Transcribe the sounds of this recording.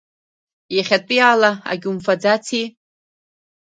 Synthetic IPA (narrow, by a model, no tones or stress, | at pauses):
jaχʲatʼɨjaːlaa̰ɡʲumfad͡zat͡sʰi